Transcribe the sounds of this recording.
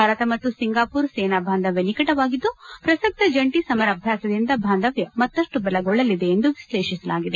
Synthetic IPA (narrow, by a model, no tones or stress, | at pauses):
aːɾɐt̪ɐmɐt̪ːusiŋɡaːpuːɾseːnaːbʱaːnd̪ɐʋjɐnikɐʈɐʋaːɡid̪ːupɾɐsɐk̚t̪ɐd͡ʒɐɳʈisɐmɐɾɐbʱjaːsɐd̪ind̪ɐbʱaːnd̪ɐʋjɐmɐt̪ːɐʂʈubɐlɐɡɔɭːɐlid̪e̞ːnd̪uʋisleːʂisɐlaːɡid̪e